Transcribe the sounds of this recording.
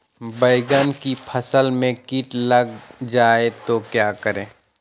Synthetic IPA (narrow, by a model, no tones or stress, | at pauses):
bəɪɡənkipʰəsəlmẽkiʈləɡ̚d͡ʒaːet̪okjaːkəɾẽː